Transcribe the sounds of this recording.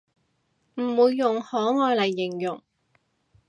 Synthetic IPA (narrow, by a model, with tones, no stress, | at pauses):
m̩˨˩wuː˨˧jːʊ˨˩ŋhɔː˨˥ŋɔː˧jlɐ˨˩jːɪ˨˩ŋjʊ˨˩ŋ